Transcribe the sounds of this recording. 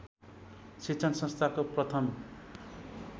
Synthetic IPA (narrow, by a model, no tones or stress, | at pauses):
sit͡sʰʌnsʌ̃nst̪ʰakoprʌt̪ʰʌm